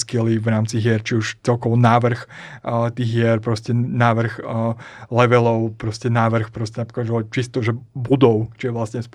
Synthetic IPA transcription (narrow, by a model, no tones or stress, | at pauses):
skiliʋɾaːmt͡siɦɪɛɾt͡ʃiuʃt͡sɛlkɔʋɔnaːʋr̩xt̪iːɣɦɪɛɾpɾɔscɛnaːʋr̩x | lɛʋɛlɔʊpɾɔscɛnaːʋr̩xpɾɔscɛnapɔ̥kaʒɛɔt͡ʃist̪ɔʒɛbud̪ɔʊt͡ʃijɛʋlasɲɛsp